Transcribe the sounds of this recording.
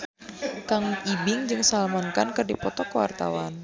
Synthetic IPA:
kaŋibɪŋd͡ʒɨŋsalmɔnkankərdipɔt̪ɔkəwa̰rt̪a̰wan

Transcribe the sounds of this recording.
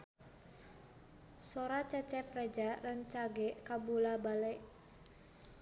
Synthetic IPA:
soɾat͡ʃɛt͡ʃɛprɛd͡ʒaɾant͡ʃaɡɛkabulabalɛʔ

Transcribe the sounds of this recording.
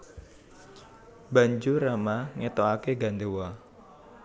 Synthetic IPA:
baɲd͡ʒuɾamaŋet̪oakeɡa̤nd̪ewa

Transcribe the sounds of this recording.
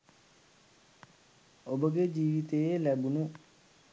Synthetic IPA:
obəɡed͡ʒiːʋit̪eelɛbunu

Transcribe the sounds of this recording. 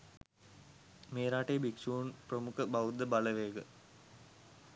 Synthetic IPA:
meːɾaːʈejːbiksuːnprəmukʰəbaʋud̪ːəbaləʋeːɡə

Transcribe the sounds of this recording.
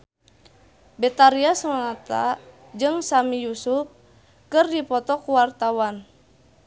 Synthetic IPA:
bɛt̪aɾiasɔŋŋat̪a̰ | d͡ʒɨŋsamijusuf̚ | kɨrdipɔt̪ɔkuwart̪awan

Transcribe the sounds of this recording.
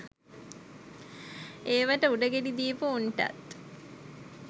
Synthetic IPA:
eːʋaʈəuɖəɡeɖid̪iːpuuɳʈa̰t̪

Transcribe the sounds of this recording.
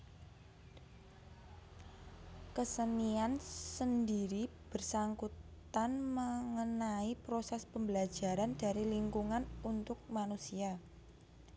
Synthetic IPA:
kəsəniansəndiɾib̥ə̤rsaŋkut̪anməŋənaipɾosɛspəmbəlḁʒ̥a̤ɾand̥a̤ɾiliŋkuŋanunt̪ʊk̚manusia

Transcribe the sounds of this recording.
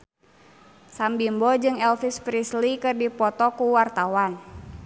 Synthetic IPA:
sambimbɔd͡ʒɨŋɛlfispɾislikɨrdipɔt̪ɔkuwart̪awan

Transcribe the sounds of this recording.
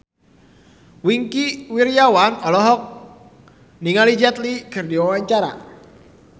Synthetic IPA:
wiŋkiwiɾjawanɔlɔɦɔk̚ | niŋalid͡ʒɛt̪liɡ̥ərdiwawaɲt͡ʃaɾa̰

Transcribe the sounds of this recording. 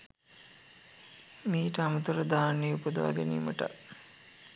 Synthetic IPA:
miːʈəamut̪uɾəd̪aːnːeupəd̪əʋa̰ɡeniːməʈə̰

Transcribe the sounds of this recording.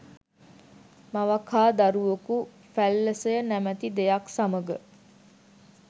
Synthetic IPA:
maʋakʰaːd̪aɾuʋoku | fælːəsəjənæmæt̪id̪ejaksaməɡə

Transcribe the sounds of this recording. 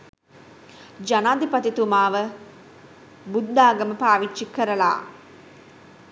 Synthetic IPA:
d͡ʒanaːd̪ipat̪it̪umaːʋə | bud̪ːaːɡəməpaːʋit͡ʃːʃikəɾəla̰ː

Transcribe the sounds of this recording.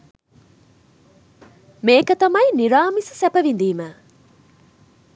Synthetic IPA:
meːkət̪ɐmɐjniɾaːmisə̥sɛpəʋind̪iːmə

